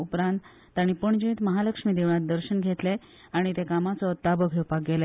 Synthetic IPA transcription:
upɾãnt̪ː | aɽ̃ipəɳd͡ʑĩt̪məɦaləkʂmiːd̪eʋɳat̪̚d̪əɾɕənɡʱet̪le | aɽ̃it̪ekamat͡sɔt̪abəɡʱepak̚ɡele

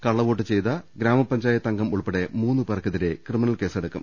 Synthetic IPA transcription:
kɐɭːɐʋo̞ːʈːɨt͡ɕe̞jt̪ɐɡɾaːmɐpːɐɲd͡ʑaːjɐt̪ːɐŋɡɐmuɭpɐɽe̞muːnːɨpɐrɐkʰːɐðiɾe̞krɨminɐɭke̞ːseɽɐkːṵm

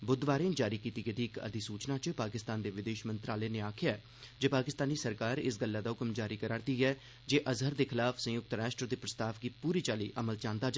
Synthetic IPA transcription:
bʊd̪ʋaːɾeːnd͡ʒaːɾiːkiːt̪iːɡəd̪iːkə̰d̪iːsuːt͡ʃnãːt͡ʃpaːkɪst̪aːnd̪eːʋɪd̪eːʃmənt̪ɾaːleːneːaːkʰɪjaɛ | d͡ʒeːpaːkɪst̪aːniːsəɾkaːɾɪ̰sɡəlːaːd̪aːʊkmd͡ʒaːɾiːkəɾaːɾd̪iːɛː | d͡ʒeːʔəzɦəɾd̪eːkʰɪlaːfʰsə̃jʊk̚t̪ɾaːsʈəd̪eːpɾəst̪aːʋɡiːpuːɾiːt͡ʃaːliːʔəməlt͡ʃãːnd̪aːd͡ʒa

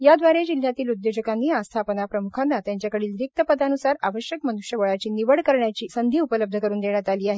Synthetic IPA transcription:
jad̪ʋaɾed͡ʑil̤jat̪iːlud̪jod͡ʑəkanːiast̪ʰapənapɾəmukʰanːat̪jaɲt͡ɕjakəɽiːlɾik̚t̪əpəd̪anusaɾa̰ʋəɕjəkmənuʂjəʋəɭat͡ɕiːniʋəɽkəɾɳjat͡ɕiːsənd̪ʱiːupələb̚d̪ʱəkəɾuːnd̪eɳjat̪aliːaɦe

